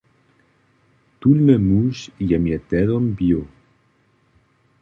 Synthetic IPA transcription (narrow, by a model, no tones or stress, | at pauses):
t̪ulmemusjamjet̪ɛðombjo